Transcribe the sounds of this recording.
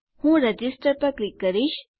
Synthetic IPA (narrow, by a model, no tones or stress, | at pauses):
hũːɾɐd͡ʒisʈəɾpɐɾklikːəɾiʃ